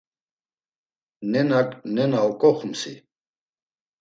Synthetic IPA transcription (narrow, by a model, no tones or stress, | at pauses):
nenaknenawkoxumsḭ